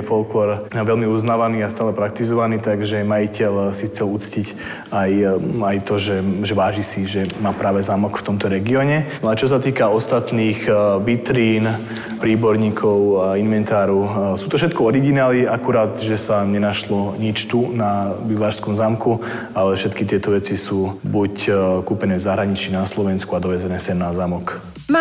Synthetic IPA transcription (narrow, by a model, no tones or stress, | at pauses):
fɔlklɔɾʋɛlmiuznaːʋaniːast̪aːlɛpɾak̚t̪izɔʋaniːt̪aɡʒɛmajicɛʎsixt͡sɛlut͡scic | ajajt̪ɔʒɛʒɛʋaːʒisiʒɛmaːpɾaːʋɛzaːmɔkft̪ɔmt̪ɔɾɛɡiɔɲɛnɔat͡ʃɔs̬at̪iːkaɔst̪at̪niːɣʋit̪ɾiːn | pɾiːbɔɾɲiːkʰɔʊainʋɛnt̪aːɾɔsuːt̪ɔfʃɛt̪̚kɔɔɾiɡinaːliakuɾaːt̪ʒɛsaɲɛnaʃlɔɲit͡ʃt̪unabilaːʃskɔmzamku | alɛfʃɛt̪kit̪ɪɛt̪ɔʋɛt͡sisuːbuckupɛnɛːvzaɦɾaɲit͡ʃiːnaslɔʋɛnskuad̪ɔʋɛzɛnɛːsɛmnazamɔk